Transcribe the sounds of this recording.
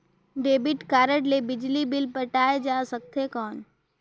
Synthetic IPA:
ɖeːbɪʈkaːɾəʈlebɪd͡ʒlibɪlpəʈaːed͡ʒaːsək̚t̪ʰekɔːn

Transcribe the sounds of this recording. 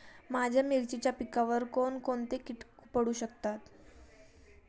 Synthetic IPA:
mad͡ʑʱjamiɾt͡ɕit͡ɕjapikaʋəɾkoɳkoɳt̪ekiʈupəɽuːɕək̚t̪at̪

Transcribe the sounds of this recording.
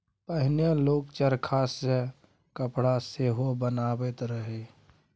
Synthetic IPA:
pəɦɪnjeloːkt͡ʃəɾkʰaːse | kəpɽaseɦobənaːbet̪ɾəɦe

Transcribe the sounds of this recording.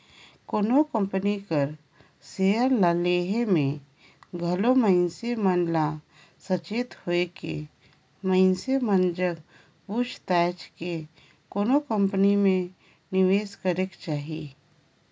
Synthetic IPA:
koːnokə̃mpənikəɾ | seəɾlaleːɦemẽ | ɡʱəloməɪnsemənla | sət͡ʃeːt̪hoekḛ | məɪnsemənd͡ʒəɡ | but͡ʃt̪ɛːt͡ʃke | koːnokə̃mpənimẽ | nɪʋeːskəɾekt͡ʃaːɦieː

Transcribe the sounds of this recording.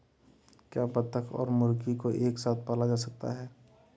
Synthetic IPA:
kjaːpət̪əkʰɔ̰ːɾmʊɾkikoʔeːksaːt̪̚ʰpaːlad͡ʒaːsɐk̚t̪a̰ɦɛː

